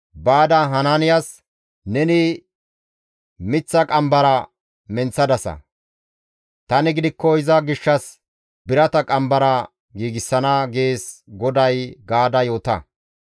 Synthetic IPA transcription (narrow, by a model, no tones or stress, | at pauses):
baːd̪ɐɦɐnanɪjas | nɛnɪ | mɪt͡sːɐkʼɐmbɐɾɐ | mɛnt͡sːɐd̪ɐsɐ̰ | t̪ɐnɪɡɪd̪ɪkːɔɪzɐɡɪʃːɐs | bɪɾɐt̪ɐkʼɐmbɐɾɐ | ɡiːɡɪsːɐnɐɡe̞ːsɡɔd̪ɐjɡaːd̪ɐjo̞ːt̪ɐ̰